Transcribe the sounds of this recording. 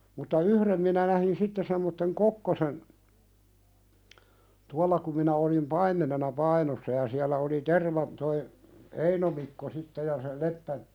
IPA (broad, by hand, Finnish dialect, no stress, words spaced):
mutːɑ yhrem minæ næhin sitːe semːotːeŋ kokːosen tuɑlːɑ kum minæ olim pɑimːenenɑ pɑinosːɑ jɑ siælˑæ oli terʋɑ toi eino mikːo sitːe jɑ se lepːæ